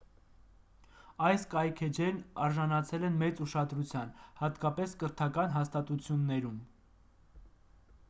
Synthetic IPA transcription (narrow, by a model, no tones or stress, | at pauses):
ɑjskɑjkʰɛd͡ʒɛɾnɑɾʒɑnɑt͡sʰɛlɛnmɛt͡suʃɑd̪ɾut͡sʰjɑnhɑt̪kɑpɛskəɾt̪ʰɑkɑnɦɑst̪ɑt̪ut͡sʰjunːɛɾum